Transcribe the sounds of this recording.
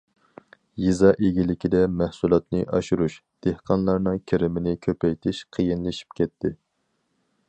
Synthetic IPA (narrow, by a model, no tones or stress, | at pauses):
jizɑʔeɡʲilɪkʲid̪ɛmæhsulˠɑt̪nɨʔɑʃuɾuʃd̪̥ehqʰɑnlˠɑɾnɨŋkʲʰeɾɪmɪnɪkʲʰøpɛjt̪ʰɪʃqʰəjinlɨʃi̥p̚kʲʰɛt̪ʰːɪ